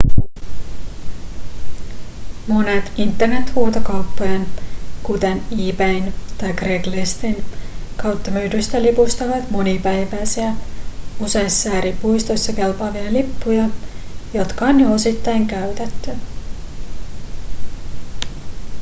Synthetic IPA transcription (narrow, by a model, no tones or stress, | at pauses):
mo̞net̪int̪ːe̞rne̞t̪huːt̪okɑwpːojɑnkut̪e̞niːbejnt̪ɑjkreklest̪inkɑwt̪ːɑmyːdyst̪ælipust̪ɑʋɑt̪mo̞nipæjʋæjsiæ | use̞jsːæːɾipujst̪o̞jsːɑke̞lpɑːʋiɑlipːujɑjo̞t̪kɑoːnjyo̞sit̪ːɑjŋkæɥt̪et̪ːy